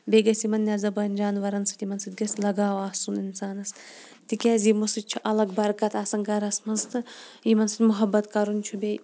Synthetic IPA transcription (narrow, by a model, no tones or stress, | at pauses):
bʲeɡʲɐsimɐnːʲazɐbɐnʲd͡ʒaːnʋɐɾɐnsɨ̥t̪imɐnsɨt̪̚ɡʲɐsʲlɐɡaːʋaːhsunɪnsaːnɐs | t̪ikʲɛːzimosɨtt͡ʃʰuʔɐlɐɡbɐɾkɐt̪aːsɐŋɡɐɾɐsmɐnst̪ɨimɐnsɨt̪mʊɦɐbːɐt̪kɐɾunʲt͡ʃʰubʲej